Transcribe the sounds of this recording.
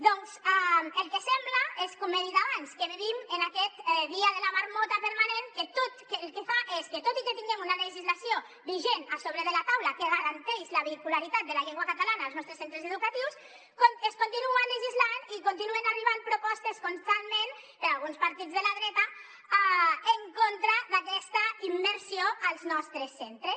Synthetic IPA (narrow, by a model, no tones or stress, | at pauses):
d̪ɔnsaelˠkesɛmblaeskɔmːeðiðaβanskeβeβimenakɛt̪ðiaðelamaɾmɔt̪apeɾmanenket̪ot̪kelˠkefaʔesket̪ot̪iket̪iŋɡɛmunaleʒizlasio | βiʒenasoβɾeðelat̪awlakeɣaɾant̪ɛʃlaβikulaɾit̪at̪̚d̪elaʎeŋɡwakat̪alanaːlˠznɔst̪ɾesent̪ɾezeðukat̪iws | koeskunt̪inuanleʒizlanikont̪inuenariβ̞ampɾopɔst̪eskonst̪anmẽnpeɾalˠɣunspaɾt̪id͡zðelaðɾɛt̪a | aeŋkont̪ɾaðakɛst̪aimːeɾsioalˠznɔst̪ɾesːent̪ɾe